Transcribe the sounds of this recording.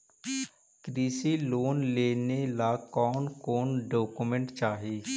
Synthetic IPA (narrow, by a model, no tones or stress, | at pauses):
kɾiːsiːloːnleːneːlaːkɔːnkoːnɖoːkumə̃ɳʈt͡ʃaːɦiː